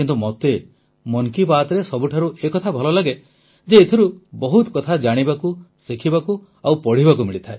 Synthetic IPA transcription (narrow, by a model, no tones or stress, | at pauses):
kint̪umɔt̪e | mɔŋkibaːt̪ɔɾesɔbuʈʰaɾuekɔt̪ʰabʱɔlɔlaɡe | d͡ʒeːt̪ʰiɾubɔɦut̪ɔkɔt̪ʰad͡ʒaɽ̃ibakusikʰibaku | awpɔɽ̤ibakumiɭit̪ʰae